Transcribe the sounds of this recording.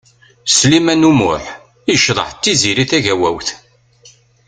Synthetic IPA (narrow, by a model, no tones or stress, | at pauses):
slimænumʊ̰ħ | iʃðˤə̰ħt̪ːiziɾiθæʝæwæwθ